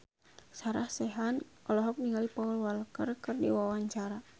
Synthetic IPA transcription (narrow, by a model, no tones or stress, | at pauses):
saɾahsɛɦanʔɔlɔɦɔk̚niŋalipaulwalkərkɨrdḭwawaɲt͡ʃaɾa